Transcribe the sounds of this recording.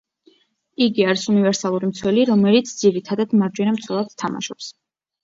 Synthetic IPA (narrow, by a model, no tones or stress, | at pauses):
iɡiaɾisunivɛɾsalˠuɾimt̪sʰwɛliɾɔmɛlit̪sʰd̪ziɾit̪ʰad̪ad̪maɾd͡ʒwɛnamt̪sʰwɛlˠad̪t̪ʰama̰ʃɔps